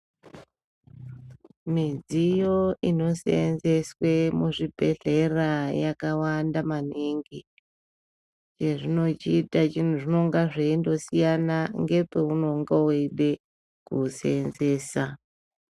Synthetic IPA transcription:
mid͡zijo̞ino̞seenze̞swe̞muʐibʱe̞ɮe̞rajakawandamaniŋɡi | t͡ʃe̞ʐino̞t͡ʃiːtat͡ʃin̤uʐino̞ŋɡaʐeindo̞sijanaŋɡe̞pe̞uno̞ŋɡaweɗe̞ | kusenze̞ːsa

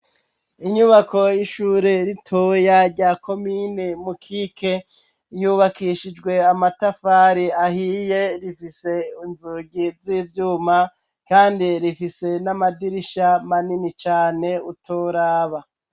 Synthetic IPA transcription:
iɲuβakʰo̞jiʃuːɾe̞ɾitʰojaɾɟaːko̞minemukʰikʰe̞ | juβakiʃid͡ʒɡwe̞amatafaːɾiahijeɾifise̞inzuɟizivjuːma | kaːndiɾifise̞namadiɾiʃamaninit͡ʃaːne̞utʰoɾaːβa

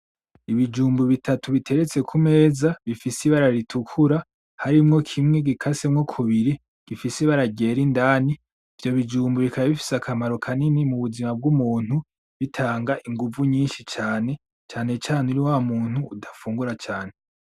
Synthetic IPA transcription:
iβid͡ʒuːmbuβitʰatuβitʰe̞ɾe̞t͡se̞kʰume̞ːzaβifisiβaɾaɾitʰukʰuɾa | haɾimŋo̞kʰimŋe̞ɡikʰasemŋo̞kʰuβiɾi | ɡ̥ifisiβaɾaɟe̞ːɾindaːni | ivjo̞βid͡ʒuːmbuβikʰaβaβifi̥sakʰamaɾo̞kʰaninimuβuzimab̚ɡumuːn̥hu | βitʰaːŋɡaʔiŋɡuvuɲiːnʃit͡ʃaːne̞ | t͡ʃaːne̞t͡ʃaːneuɾiwamuːn̥huːdafuːŋɡuɾat͡ʃaːne̞

